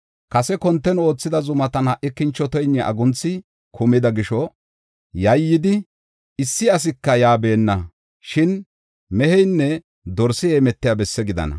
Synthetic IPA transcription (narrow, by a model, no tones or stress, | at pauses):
kɐsɛkɔnt̪ːɛno̞ːt͡sːɪd̪ɐzʊmɐt̪ɐnɐʔɪkːɪnt͡ʃːɔt̪ɔjnːɛʔɐ̰ɡʊnt͡sːɪ | kʰʊmɪd̪ɐɡɪʃɔ | jɐjːɪd̪ɪ | ɪsːɪɐs̬ɪkːɐjaːbe̞ːnːɐ | ʃɪn | mɛhɛjnːɛ | d̪ɔɾsɪjɛmɛt̪ːɪjabɛsːɛɡɪd̪ɐ̰nɐ̰